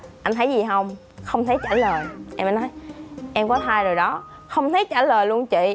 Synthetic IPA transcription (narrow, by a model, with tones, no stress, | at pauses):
ʔa˧nt̪ʰə˨˦jzi˨˩ɦə˧wŋ͡m | xə˧wŋ͡mt̪ʰə˨˦jt͡ɕaː˧˩ləː˨˩jʔɛ˧mʔɛ˨˦nɔ˨˦jʔɛ˧mkɔ˨˦t̪ʰaː˧jzoː˨˩jɗɔ˨˦ | xə˧wŋ͡mt̪ʰə˨˦jt͡ɕaː˧˩ləː˨˩jlu˧ənt͡ɕḭ˧˨